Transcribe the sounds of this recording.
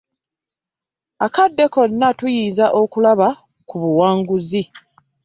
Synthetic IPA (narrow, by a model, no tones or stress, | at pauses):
akadːe̞ko̞nːatujiːnzaʔo̞kulaβa | kuβuwaːŋɡuzi